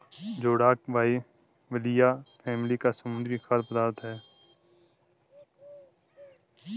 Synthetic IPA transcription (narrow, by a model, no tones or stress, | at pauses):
d͡ʒoːɽaːkbʱaːi | ʋəlɪjaːpʰɛːmlikasəmʊ̃nd̪ɾixaːɾpəd̪aːɾt̪ɦɛː